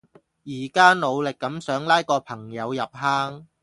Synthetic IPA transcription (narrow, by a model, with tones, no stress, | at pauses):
jiː˨˩kaː˥no˨˧wlɪ˨kːɐ˨˥msœː˨˥ŋlaː˥jkɔː˧pʰɐ˨˩ŋjɐ˨˧wjɐ˨p̚ɦaː˥ŋ